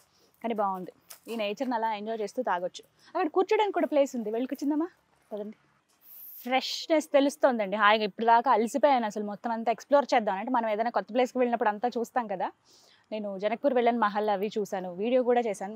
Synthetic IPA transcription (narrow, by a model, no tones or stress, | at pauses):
kaːnibaːund̪iiːneːt͡ʃɐɾnɐlaːeɲd͡ʒɔːjt͡ʃe̞ːst̪uːt̪aːɡot͡ʃːu̥ | ɐkːɐɽɐkuːɾt͡ʃɐɽaːnikːuːɽaːple̞ːsund̪iʋeɭːkut͡ʃːind̪ɐmaː | ɐd̪ɐnd̪i | fʰɾeʂnest̪e̞lust̪o̞ːnd̪ɐɳɖiaːjɐɡɐipːuɽud̪aːkaɐlisipoːjaːnɐsɐlumɔt̪ːɐmɐnt̪aːeksploːɾt͡ʃɛːd̪ːaːmnɐɳʈemɐnɐmeːd̪ɐjnaːkɔt̪ːɐpleːskiʋeɭinɐpːuɽɐnt̪aːt͡ʃuːst̪aːnkɐd̪aː | ne̞ːnud͡ʒɐnɐk̚puːɾʋeɭːaːnumɐɦɐlɐʋit͡ʃuːsaːnuʋiːɽijo̞ːkuːɽaːt͡ʃɛːsaːnu